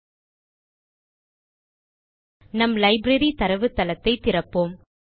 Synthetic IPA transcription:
nɐmlɐɪbɾɐɾit̪ɐɾɐʋɯt̪ːɐlɐt̪ːɐɪt̪ɪrɐpːoːm

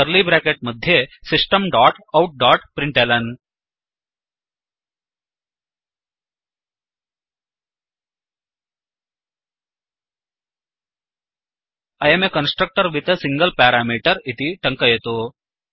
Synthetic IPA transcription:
əɾlibɾeːkeʈ̚mɐd̪ʱjesɪsʈəmɖaːʈɐwʈ̚ɖaːʈpɾɪɳʈeːlɐn | ɐjemekɐnsʈɾək̚ʈəɾʋit̪sɪŋɡəlpaːɾaːmiːʈəɾɪt̪iʈɐŋkəjet̪oː

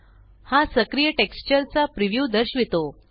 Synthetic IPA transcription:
hasəkɾijəʈekst͡ɕəɾt͡sapɾiʋjud̪əɾɕʋit̪o

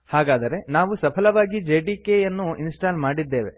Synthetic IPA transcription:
haːɡaːd̪ɐɾe̞naːʋusɐpʰɐlɐʋaːɡid͡ʒeːɖiːkejɐnːuinsʈaːlmaːɽid̪ːe̞ːʋe̞̰

